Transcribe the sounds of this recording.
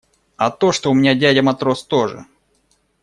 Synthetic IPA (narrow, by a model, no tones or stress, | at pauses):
ɐt̪o̞ʂt̪oʊmʲɪnʲadʲædʲəmɐt̪ɾo̞st̪o̞ʐɨ̰